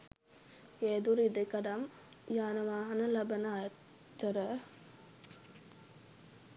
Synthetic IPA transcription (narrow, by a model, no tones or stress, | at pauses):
ed̪uɾid̪ɐkɐɽɐm | jaːnɐʋaːɦɐnɐlɐbɐnɐː | t̪ːɐɾɐ